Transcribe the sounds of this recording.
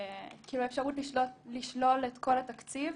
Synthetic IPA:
kiːluefʃaʁutliʃlotliʃlo̞let̪ko̞lat̪akt͡siv

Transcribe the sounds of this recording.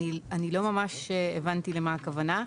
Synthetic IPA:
ianilo̞mamaʃevant̪ilemakavana

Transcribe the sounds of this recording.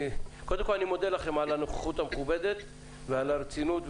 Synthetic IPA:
ko̞d̪emkolanimo̞d̪elaχemalanoχe̥χut̪ameχubed̪et̪ | vealaɾet͡sinut̪v

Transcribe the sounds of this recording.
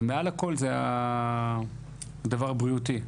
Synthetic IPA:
mealako̞lzea | d̪avaʁbʁiut̪i

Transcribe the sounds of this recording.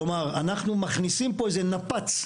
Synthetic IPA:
omaʁanaχnumaχnisimpo̞ezenapat͡s

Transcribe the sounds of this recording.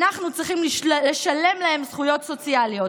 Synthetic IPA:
naχnut͡sʁiχimleʃale̞mlahe̞msχujo̞tso̞t͡sialijo

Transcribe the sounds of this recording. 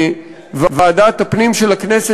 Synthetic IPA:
vvead̪at̪apnimʃelaknese

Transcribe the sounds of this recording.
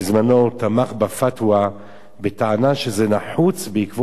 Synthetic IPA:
zmano̞t̪amaχbafatwa | bet̪aʕanaʃezenaħut͡sbeikvo

